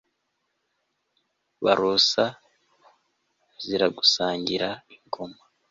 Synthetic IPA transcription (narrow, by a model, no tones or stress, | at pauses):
βaɾosa | ziɾaɡusaːɲɟiɾaiŋɡoma